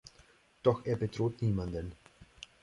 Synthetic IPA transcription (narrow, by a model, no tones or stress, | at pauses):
d̥ɔxʔeːɐbətʁ̥oːtniːmandən